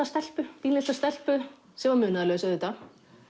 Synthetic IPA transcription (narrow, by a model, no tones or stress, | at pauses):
ast̪ɛl̥pʏt̪iːnɪ̥t̪ast̪ɛl̥pʏ | sɛmvaɾmʏːnaðalœːɣʏsœðʏt̪ːa